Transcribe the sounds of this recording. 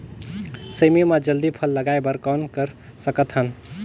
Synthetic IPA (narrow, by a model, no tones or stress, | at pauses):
səjmemad͡ʒəld̪ipʰəlːəɡaebəɾkɔnkəɾ | səkət̪ɦən